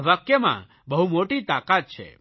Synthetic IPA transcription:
ʋakjəmã̰ | bəɦumoʈit̪akat̪̚t͡ʃʰḛ

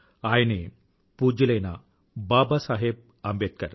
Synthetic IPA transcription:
aːjne | puːd͡ʒilɐjna | baːbasaːɦeb̚ | ɐmbeːt̪̚kɐɾ

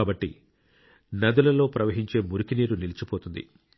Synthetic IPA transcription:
aːbɐʈːḭ | nɐd̪ulɐlo̞ːpɾɐʋɐɦiɲt͡ʃe̞ːmuɾukiniːɾunilit͡ʃipo̞ːt̪und̪ḭ

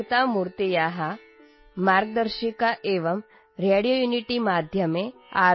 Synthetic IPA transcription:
t̪amuɾt̪ijaɦa | maɾɡ̚d̪əɾʃikaʔeʋɐm | ɾeɽijojuniʈimad̪ʱjɐmea

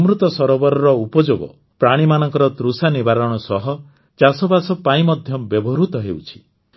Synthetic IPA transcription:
mɾut̪ɔsɔɾɔbɔɾɔɾɔupɔd͡ʒoɡɔ̰ | pɾaɽ̃imanɔŋkɔɾɔt̪ɾusanibaɾɔɽ̃ɔsɔɦɔ | t͡ʃasɔbasɔpaĩmɔd̪ʱjɔbjɔbɔɾut̪ɔɦḛwt͡ʃʰi̥

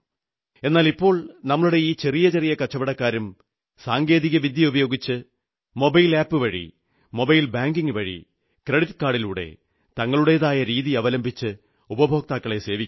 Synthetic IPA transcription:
e̞nːaːlipːo̞ːɭnɐmːɐɭuɽe̞iːt͡ɕe̞rijɐt͡ɕerijɐkɐt͡ɕːɐbɐɽɐkːaːɾum | saːŋɡe̞ːðiɣɐʋid̪jɐubɐjo̞ːɡit͡ɕːɨ | mo̞bɐjlaːpːɨʋɐɻḭ | mo̞bɐjilbaːŋɡiŋɡɨʋɐɻḭ | krɐɽit̪kaːɽiluːɽe̞̰ | t̪ɐŋːɐɭuɽe̞ːðaːjɐɾiːðiɐʋɐlɐmbʱit͡ɕːɨ | ubɐbʱo̞ːk̚t̪aːkːɐɭe̞se̞ːʋikʲː

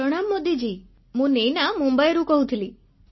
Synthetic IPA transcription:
əɽ̃amːod̪id͡ʒi | mũnejnamũmbəjɾũkɔɦũt̪ʰili

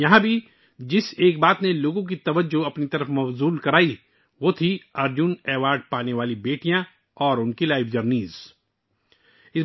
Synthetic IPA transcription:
jɐɦãbʱi | d͡ʒɪseːk̚baːt̪neloːɡõk̬it̪ɐʋəd͡ʒoɐpnit̪ɐɾəfmɐfzuːlkɐɾaːi | ʋoːt̪ʰiɐɾd͡ʒʊnɛːʋaːɾɖ̚paːneʋaːlibeːʈijã | ɔːɾʊnkilaːɪfd͡ʒɐɾniːz | ɪs

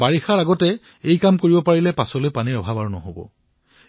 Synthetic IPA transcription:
baɹixaɹaɡɔtɛ | ejkamkoɹibɔpaɹilɛpasɔlojpaniɹɔbʱabaɹunɔ̰ɦobɔ̰

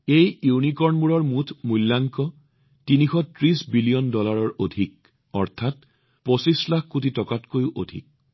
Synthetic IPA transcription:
ejunikɔɹnmuɹɔɹmutʰmulːaŋkɔ | tinixɔtɹisbiliɔndɔlaɹɔɹodʱik̚ | ɔ̰ɹtʰat̚ | posislakkut̬itɔkatkojʔodʱḭk̚

